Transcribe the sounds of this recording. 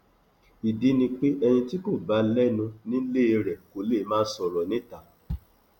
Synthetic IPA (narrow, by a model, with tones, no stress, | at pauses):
i˨di˨˦nĩ˧k͡pe˦ʔɛ˧nĩ˧ti˦ko˦˨ba˨˦lɛ˦nũ˧nĩ˦le˦e˧ɾɛ˨ko˨le˦˨˦mãː˦sɔ˨ɾɔ˨nĩ˦˨ta˨˦